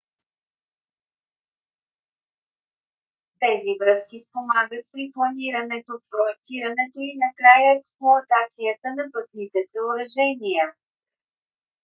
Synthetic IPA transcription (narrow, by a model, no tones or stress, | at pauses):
t̪ɛzivɾɤskispomaɡət̪̚pɾiplˠɐniɾɐnɛt̪ofpɾoɛk̚t̪iɾɐnɛt̪oinɐkɾajəɛksplˠoɐt̪at̪siət̪ənɐpɤt̪nit̪ɛsəʊɾɐʒɛniə